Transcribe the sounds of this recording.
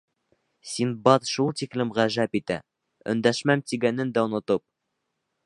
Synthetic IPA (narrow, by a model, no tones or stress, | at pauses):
sʲinbɑt̪ʃulˠt̪iklɘmʁæʒæpit̪æ̰ | ɵ̰̆nd̪æʃmæmt̪iɡænɘnd̪æŭnɤ̆t̪ɤp̚